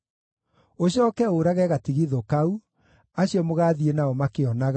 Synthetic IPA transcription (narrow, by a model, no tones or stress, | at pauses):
oɕɔkɛoɾaɣɛɣatiɣiðokau | aɕiɔmoɣaːðienaɔmakeɔnaɣa